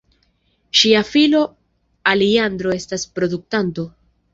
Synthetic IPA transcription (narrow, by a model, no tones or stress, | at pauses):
ʃiafilo̞ | aliand̪ɾo̞e̞staspɾo̞duk̚tanto̞